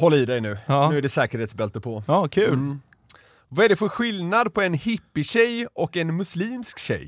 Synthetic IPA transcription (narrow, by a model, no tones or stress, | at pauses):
hɔlːaɪd̪ɛjnʉ̟ːʉ̟ːæɖɛsɛːkəɾheːt̪sbɛlt̪əpʰɔɑkʰʉːl | vaæɖɛfœɾɧɪlnad̪pʰɔɛnhɪpːɪɕɛjʔɔkːɛnmɵsliːmskɕɛ̰j